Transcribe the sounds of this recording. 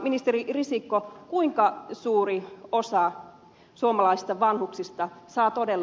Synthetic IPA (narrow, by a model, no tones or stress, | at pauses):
minist̪eɾirisikːokuiŋkɑsuːɾiosɑ | suomɑlɑisi̥st̪ɑʋɑnhuksist̪ɑsɑːt̪odelː